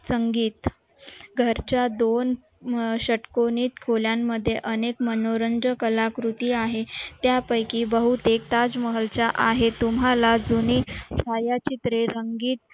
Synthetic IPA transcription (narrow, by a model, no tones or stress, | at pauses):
səŋɡiːt̪ | ɡʱəɾt͡ɕjad̪on | ɕəʈkoniːt̪kʰoljamːəd̪ʱːjeʔənekmənoɾənd͡ʑəkəlakɾut̪iːaɦet̪japəjkiːbəɦut̪ekt̪ad͡zməɦəlt͡ɕaʔaɦet̪umɦalad͡zuniːt͡ɕʰajat͡ɕit̪ɾeɾəŋɡiːt̪̚